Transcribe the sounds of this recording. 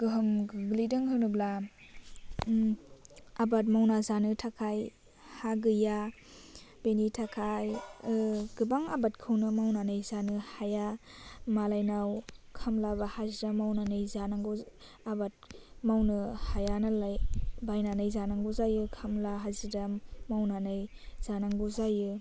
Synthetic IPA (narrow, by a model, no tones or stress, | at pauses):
ɡ̥ɯɦɯmɡblidɯŋɦɯnɯbla | abat̚mawnazanɯtʰakʰaj | haɡɯja | benitʰakʰaj | ɡ̥ɯbaŋabatkʰɯwnɯmawnanajzanɯhajamalajnawkʰamlaβahazidamawnanɯjzanaŋɡɯ | abat̚mawnɯhajanalajbajnanajzanaŋɡuzajɯkʰamlaɦazidamawnanɯj | z̥anaŋɡuzajɯ